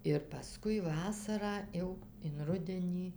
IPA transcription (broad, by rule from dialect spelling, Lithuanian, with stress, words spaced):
ɪr pɐˈskʊɪ ˈʋɑːsɐrɑː ˈjɛʊ ɪn ˈrʊdʲɛnʲiː